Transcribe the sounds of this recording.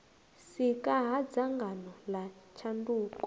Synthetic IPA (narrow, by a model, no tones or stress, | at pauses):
sikʼaɦad͡zaŋɡanɔlat͡ʃʰanduːkɔ̥